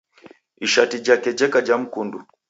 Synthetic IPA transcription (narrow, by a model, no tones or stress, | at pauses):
iʃatid͡ʒakɛd͡ʒɛkad͡ʒam̩kundu